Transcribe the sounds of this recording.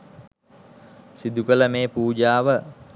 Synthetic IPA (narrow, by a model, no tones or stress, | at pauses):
sid̪ukələmeːpuːd͡ʒaːʋə